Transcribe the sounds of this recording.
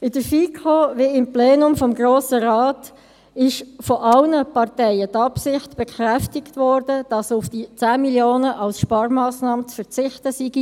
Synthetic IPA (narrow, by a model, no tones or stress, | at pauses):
ɪd̥əɾfikʰoʋiɪmpleːnʊmfɔmɡɾoːsəɾɑːt | ɪʃfɔʔɑlnəpɑrtɛɪət̪ɑpsɪχtb̥ɛkʰʁæftɪktvɔːɾd̥əd̥ɑsʊfd̥it͡sæːmiljoːnəʔɑlsʃpɑːɾmɑːsnɑːmət͡sfəɾt͡sɪχtəsiɡ̥i